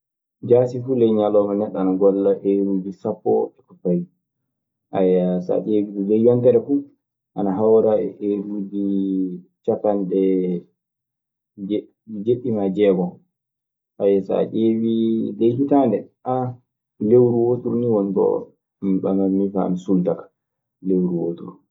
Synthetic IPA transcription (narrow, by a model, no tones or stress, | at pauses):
d͡ʒasifulɛjɲalɔmanɛɗanaɡɔlːaʔeɾud͡ʒisapːɔ̰ɛkɔfaj | ʔajasa̰ʔewitulɛjwɔntɛɾɛfu | ʔanaɦawɾaɛʔeɾud͡ʒi | t͡ʃakandɛ | d͡ʒ | d͡ʒeɓːimad͡ʒɛːɡɔ | ʔajasa̰t͡ʃevilejhitaːndɛʔa | lewɾuwotuɾuniwontɔ̰ | mɓamanːifa̰ːnasultakḁ | lewɾuwoːtuɾu